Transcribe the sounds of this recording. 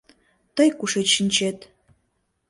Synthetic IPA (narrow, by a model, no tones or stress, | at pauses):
t̪ɤjkuʃeʃinʲt͡ɕet̪